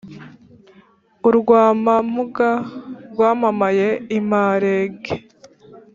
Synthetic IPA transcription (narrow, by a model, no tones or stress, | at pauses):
uɾɡwaːmam̥uɡaɾɡwaːmamaje̞imaːɾeːɡe